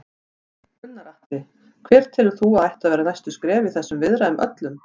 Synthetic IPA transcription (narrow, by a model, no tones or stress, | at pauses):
ʏnːaɾaht̪ɪ | kʰv̥ɛːɾ̥t̪ʰɪːlʏɾ̥θuaðajht̪aðvɛːɾanajst̪ʏskɾɛːviθɛsːʏmvɪðɾaʏmʔœ̰t̪lʏm